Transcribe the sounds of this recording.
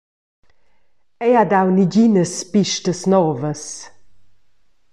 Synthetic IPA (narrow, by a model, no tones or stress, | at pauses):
ɛjadawniɟinəspiʃtəsnɔːvəs